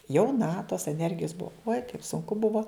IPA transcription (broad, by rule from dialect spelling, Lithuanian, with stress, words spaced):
jɛʊˈnɐ toːs ɛˈnʲɛrʲɡʲɪjoːs ˈbuɔ uɔj kɐɪp sʊŋˈkʊ ˈbʊʋoː